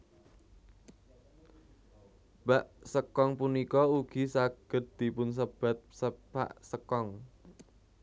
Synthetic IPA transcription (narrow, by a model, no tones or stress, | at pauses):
b̥aʔsəkɔŋpunikɔuɡ̥i̤saɡ̥ə̤t̪̚d̪̥i̤pʊns̬əb̥a̤t̪̚səpa̰ʔsəkɔŋ